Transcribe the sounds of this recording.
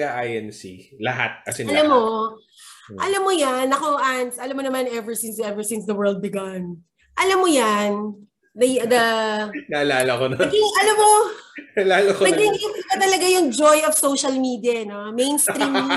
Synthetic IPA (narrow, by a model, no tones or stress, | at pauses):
aʔajɛnsḭlɐ̰ɦa̰t̪̚kɐsɛɐlamːo | ʔɐlamːojanːɐko̞ʔansʔɐlamːonɐmanɛvɛɹsɪnsɛvɛɹsɪnsd̪ɐwɛ˞ld̪̚bɪɡan | ʔɐlamːojan | d̪ɐjd̪ɐnɐʔɐlaːlɐkonoɐɡɪŋɐlamːo | laːlɐknɐɡɪŋɪbɐt̪ɐlɐɡajʊŋd͡ʒojɐvsowʃɐlmiːd̪iɐnomejnsɾim